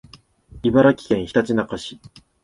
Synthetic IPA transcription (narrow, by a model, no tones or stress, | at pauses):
ibaɾakʲi̥kẽ̞ɰ̃çi̥t̪at͡ɕinakaɕi̥